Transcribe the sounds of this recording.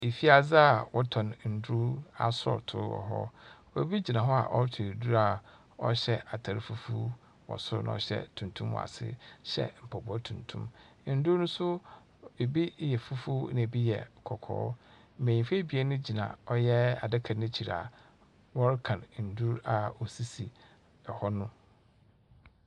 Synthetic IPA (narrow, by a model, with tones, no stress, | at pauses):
e˨fi˦a˨za˦a˨wɔ˦tʰɔ̃˨nn̩˨du˦a̰˨sʊ˦ɔ̰˨tʰʊ̰˦ɾwɔ̰˨ɦɔ̰˦wɔ˨˦bi˦d͡ʑi˨nã˨ɦɔ˦a̰˨ʔɔ˦ɾtʰi˨ɾdu˦ɾa˨ | ɔ̰˦ɕɛ˦ʔa˨tʰa˨ɾɪ˦fu˦fu˦ | wɔ̰˨sʊ˦ɾnã̰˦ɔ˨ɕɛ̰˦tʰũ˨ntʰũ˦mwɔ̰˨a̰˨sɪ̰˦ɕɛ̰˦m̩˨pʰɔ˨bɔ˦tʰũ˨ntʰṵ̃˦m˦ | n̩˨˦du˦ɾnʊ̃˦sʊ˦ | e˨bi˦jɛ˨fu˦fu˦nɪ̃˨bi˦jɛ˨kʰɔ˨kʰɔ̰ː˨˦ | m̩˨mẽ˨ɲĩ˨fe˦bi˨ɛ˦nʊ̃˦d͡ʑi˨nã̰˨ɔ˦jɛ˦a˨dɪ˦kʰa˨nʊ̃˦t͡ɕʰi˨ɾa̰˨ | wɔ˦ɾɪ˦kʰã˨nn̩˨du˦ɾa˨ɔ˨si˦si˨ | ɛ˨hɔ˦nʊ̃˦